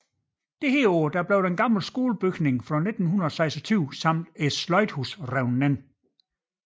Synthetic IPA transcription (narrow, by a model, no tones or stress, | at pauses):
d̥eheːɔːd̥æɐb̥leʊd̥enɡ̥ɑ̈ml̩sɡ̥o̝ːləb̥yɡ̥ne̝ŋfʁɒ̽ne̝d̥n̩hunɐɒsɑ̈ɪsɒt͡sʰyʊ̰sɑ̈m̰d̥e̥slɒ̽ɪd̥husʁɛʊnːen